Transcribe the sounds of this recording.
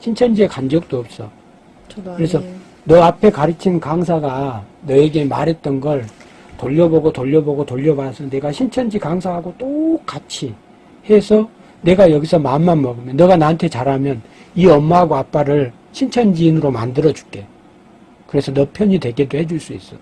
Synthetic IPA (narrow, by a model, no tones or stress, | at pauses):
ɕʰint͡ɕʰʌnd͡ʑie̞kand͡ʑʌk̚t͈oʌp̚s͈ʌ | kɯɾe̞sʰʌ | nʌapʰe̞kaɾɯt͡ɕʰinkaŋsʰaɡanʌeɡe̞ma̰ɾɦe̞t̚t͈ʌnɡʌɭ | toʎːʌboɡotoʎːʌboɡotoʎːʌbasʰʌne̞ɡaɕʰint͡ɕʰʌnd͡ʑikaŋsʰaɦaɡot͈ok͈at͡ɕʰi | he̞sʰʌ | ne̞ɡajʌɡisʰʌmaɯnːanmʌɡɯmjʌnːʌɡanaɯntʰe̞t͡ɕaɾamjʌn | iʌmːaɦaɡoap͈aɾɯɭ | ɕʰint͡ɕʰʌnd͡ʑiːnɯɾoma̰ndɯɾʌd͡ʑu̥k͈e̞ | kɯɾe̞sʰʌnʌpʰjʌɲidwe̞ɡe̞dohed͡ʑuɭs͈uḭs͈ʌ